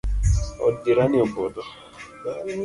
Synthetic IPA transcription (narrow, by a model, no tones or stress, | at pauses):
ɔ̰diɾanɪɔbɔdɔ